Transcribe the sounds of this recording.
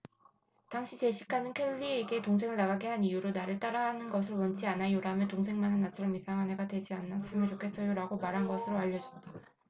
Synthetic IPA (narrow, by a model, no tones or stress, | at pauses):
taŋɕʰit͡ɕe̞ɕʰikʰanɯnkʰeɭʎːieɡe̞toŋs̬ʰe̞ŋɯɭnaɡaɡe̞ɦanijuɾonaɾɯɭt͈aɾaɦanɯnɡʌs̬ʰɯɭwʌnt͡ɕʰianajoɾametoŋsʰe̞ŋmanɯnːat͡ɕʰɯɾʌmisʰaŋɦane̞ɡadwe̞d͡ʑianːas͈ɯmɯɭt͡ɕokʰe̞s͈ʌjoɾaɡomaɾɦanɡʌsʰɯɾoaʎːʌd͡ʑʌt̚t͈a